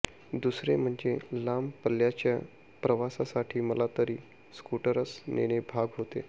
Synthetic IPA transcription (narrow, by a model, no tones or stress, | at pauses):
d̪usɾem̤əɳd͡zelampəljat͡ɕja | pɾəʋasasaʈʰiːməlat̪əɾiː | skuʈəɾəsnḛɽ̃ebʱaɡɦot̪e